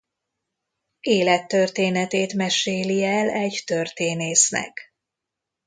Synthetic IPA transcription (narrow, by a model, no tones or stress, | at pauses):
eːlɛt̪ːørt̪eːnɛt̪eːt̪mɛʃeːliɛlɛɟt̪ørt̪eːneːsnɛ̰k